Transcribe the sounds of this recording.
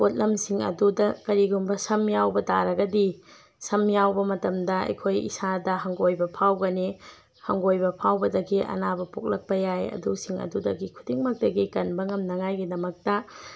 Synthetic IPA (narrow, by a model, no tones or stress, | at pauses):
pot̚lɐmsiŋɐ̰dudɐkɐɾiɡumbɐsɐmjawbɐdaɾɐɡɐdi | sɐmjawbɐmɐtɐmdɐɐ̰jkʰojḭsadɐɦɐŋɡojbɐpʰawɡɐne | hɐŋɡojbɐpʰawbɐdɐɡiʔɐ̰nabɐpok̚lɐk̚pɐjajɐ̰dusiŋɐ̰dudɐɡikʰudiŋmɐk̚tɐɡikɐnbɐŋɐmnɐŋajɡidɐmɐk̚tɐ